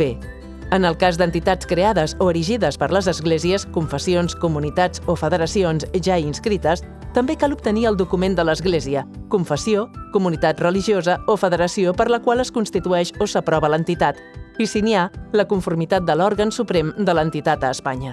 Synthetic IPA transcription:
e | ənəlˠkazd̪ənt̪it̪at͡skɾeaðəzoəɾiʒiðəspəɾləzəzɣleziəskuɱfəsionskumunit̪ad͡zofəðəɾəsionzʒainskɾit̪əs | t̪əmbekalup̚t̪əniəlˠd̪ukumend̪ələzɣleziəkuɱfəsiokumunit̪at̪rəliʒiozəofəðəɾəsiopəɾləkwalˠəskunst̪it̪uɛʃosəpɾɔβələnt̪it̪at̪ | isinialəkuɱfuɾmit̪at̪̚d̪əlɔɾɣənsupɾɛmd̪ələnt̪it̪at̪əːspaɲə

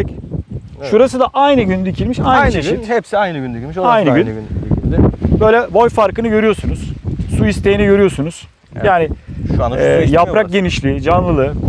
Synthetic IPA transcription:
ʃuɾasɯd̪aʔajnɯɟynd̪icʰilʲmiʃajnʃiɛpsiajnɯɡynd̪yclmiʃoajnɯɡyn | bø̞jlʲɛvo̞jfaɾkɯnɯɟø̞ɾyjo̞sunuz̥suist̪ʰe̞jiniɟø̞ɾyjo̞sunuz̥ | jaːnɪʃɛːjapɾak̚ɟe̞niʃlʲid͡ʒanlˠɯlˠɯ

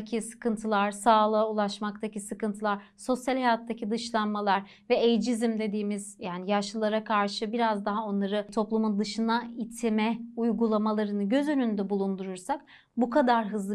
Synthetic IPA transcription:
cʰisɯ̥kʰɯnt̪ʰɯlˠaɾ̥saːlˠaulˠaʃmak̚t̪ʰacisɯkɯnt̪ʰɯlˠaɾso̞sjalʲhajat̪ʰːacʰid̪ɯʃlˠanmalˠaɾ | vɛejd͡ʒizimd̪e̞d̪iːmizjaːnijaʃɯlˠaɾakʰaɾʃɯbiɾazd̪aɦao̞nlˠaɾɯt̪ʰo̞plˠumund̪ɯʃɯnait̪ʰimɛujɡulˠamalˠaɾɯnɯɟø̞zø̞nynd̪ɛbulˠund̪uɾuɾsak | bukʰad̪aɾɦɯzlˠɯ

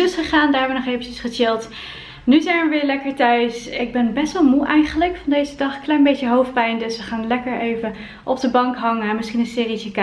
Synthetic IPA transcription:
sχəχaːndaːʋənɔχejvənəsχət͡ʃɪlˠt | nyzɛjnʋəʋɪːɹlɛkəɹtœɥsɪɡ̚bɛnbɛstʋɑlˠmuʔɛjχələkfɑndejzədɑχklɛjnbejcəɦowfpɛjndɵsʋəχaːnlɛkəɹejvə | ʔɔb̚dəbɑŋkɦɑŋəmɪsχinənsɪːritək

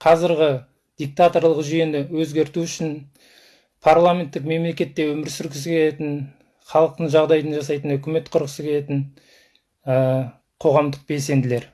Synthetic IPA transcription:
qʰɑzɪɾʁʲɪ | d̪̥ik̚t̪at̪o̞ɾlˠəqʒʏje̞nɪwɵzɡʲe̞ɾt̪uʏʃɪn | pʰarlˠamʲent̪ːɪkme̞mle̞kʲe̞t̪ːe̞wɵmɪɾsʏɾɡʲɪsəkʲʰele̞t̪ɪn | χɑlˠəq̚t̪əɴʒɑʁd̪ɑjd̪ənʒɑsɑjt̪ənhɵkʲɪme̞t̪qʰʊɾqəsəkʲʰe̞le̞t̪ɪn | ə | qʰo̞ʁɑmd̪əq̚be̞lse̞nd̪ɪle̞ɾ

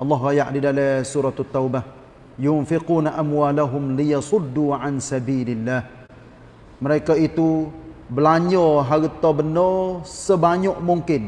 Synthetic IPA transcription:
ʔɑlːɑɦɾajaʔdidalɛsuɾɑt̪ʊt̪ːawba | jʊnfiquːnaʔamwaːlaɦʊmlijɑsʊdːuʕansabiːlɪlːah | məɾekait̪ubəlaɲɔɦaɣt̪ɔbənɔsəbaɲɔʔmuŋkɪn

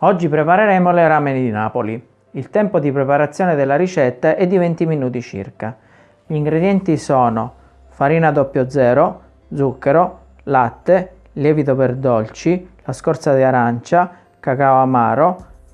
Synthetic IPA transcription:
ɔd͡ʒːipɾepaɾeɾɛmoleɾamenid̪inaːpoli | ilt̪ɛmpod̪ipɾepaɾat̪sːjɔːned̪elːaɾit͡ʃɛt̪ːaʔɛd̪ːivɛnt̪iminuːt̪̬it͡ʃḭrka | ʎiːŋɡɾed̪jɛnt̪isɔːno | faɾiːnad̪ɔpːjod̪zɛːɾo | d̪zukːeɾo | lat̪ːe | ljɛːvit̪operd̪ɔlt͡ʃilaskɔɾt̪sad̪iaɾant͡ʃa | kakaoamaːɾo

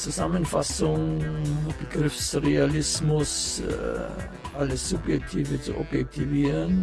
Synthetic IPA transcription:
t͡susamənfasʊŋ | b̥əɡrɪfsrealɪsmʊs | ʔaləsːupjɛk̚tʰiːvət͡suʔɔpjɛk̚tʰiviəɾən

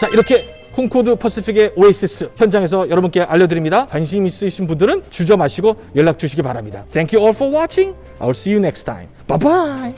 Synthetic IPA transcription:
t͡ɕaiɾʌkʰe̞ | kʰoŋkʰodɯpʰʌs͈ipʰiɡe̞ʔoes͈ɯs͈ʰɯçjʌnd͡ʑaŋe̞s̬ʰʌjʌɾʌbunk͈e̞ʔaʎːʌdɯɾimɲidakwanɕ̬ʰimis͈ɯɕʰinbundɯɾɯnt͡ɕud͡ʑʌmaɕʰiɡo | jʌɭːak̚t͡ɕuɕʰiɡipaɾamɲida̰t̪ʰɛŋkjuɔlfɔwat͡ɕʰĩŋ | a̰jwilsijunek̚stʰa̰j̃mb̥abaj

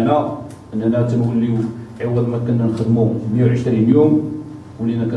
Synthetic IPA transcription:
næ | ʔənːænæt̪əmwəlːiwʕawːælmækənːænxəd̪mumjæwʕəʃt̪ɾinjum | wəlːinækæ

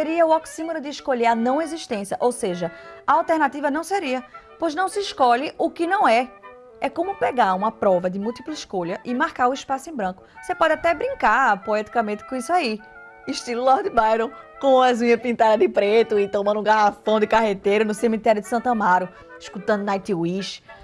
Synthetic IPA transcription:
seɾiɐʊɔksĩmoɾʊd̪ɪːʃkoʎeɾɐnɐ̃w̃eziʃt̪ẽsjɐʔowseʒɐaawt̪eɾnat̪ivɐnɐ̃w̃seɾiɐpojznɐ̃w̃sɪːʃkoʎɪʔʊkɪnɐ̃w̃ɛ | ɛkõmʊpeɡaɾũmɐpɾɔvɐd̪ɪmuwt̪iplɪʃkoʎɐʔɪmaɾkaɾʊiʃpasʊẽbɾɐ̃kʊ̥sepɔd̪ɪat̪ɛbɾĩŋkapoɛt̪i̥kɐmẽnt̪ɪ̥kõisʊai | ɪʃt̪ilʊlɔhd̪ɪbajɾõw̃kõɐzũɲɐpĩnt̪aɾɐd̪ɪpɾet̪ʊɪt̪õmɐ̃nd̪ũɡaɦafɐ̃w̃d̪ɪkaɦet̪ejɾʊnʊsemit̪ɛɾjud̪ɪ̥sɐ̃t̪ɐ̃maɾʊ | iʃkut̪ɐ̃nd̪ʊnajt̪iwiʃ

